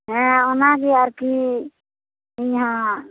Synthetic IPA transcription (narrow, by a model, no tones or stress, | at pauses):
ɦɛ̃ɔnaɡiaɾki | iɲɦã